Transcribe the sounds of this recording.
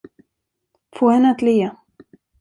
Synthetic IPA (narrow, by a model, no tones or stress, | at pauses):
foːhɛnːat̪liːa